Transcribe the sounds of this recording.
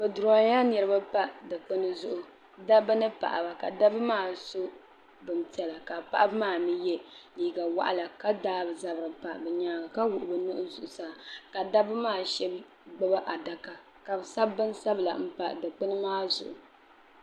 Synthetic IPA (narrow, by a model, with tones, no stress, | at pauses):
bɨ˨du˨ɾa˨ɲa˦nɛ˨ɾɨ˦ba˦pa˦dɨ˨k͡pɨ˦nɨ˦zʊ˨ʔʊ˨ | da˦bɨ˦nɨ˦pa̰˨ʔa̰˨ba˨ka˨da˦bɨ˦maː˦˨so˦ | bɨ˨ntɛ˨la˨ka˨pa̰˦ʔa˦bɨ˦maː˦˨mi˦jɛ˦liː˨ɡa˨wa̰˨ʔa˨la˨ka˦daː˦bɨ˨za˦bɨ˨ɾɨ˨pa˨bɨ˨ɲaː˦ɡa˨ka˦wʊ˨ʔʊ˨bɨ˨nɨ˦ʔʊ˦zʊ˨ʔʊ˨saː˦˨ka˨da˦bɨ˦maː˦˨ʃɛ˦b | ɡ͡bɨ˦ba˦ʔa˨da˨ka˨ | ka˨bɨ˨sa˦bbɨ˦nsa˦bɨ˨la̰˨m̩˦pa˨dɨ˨k͡pɨ˦nɨ˦ŋaː˦zʊ̰˨ʔʊ˨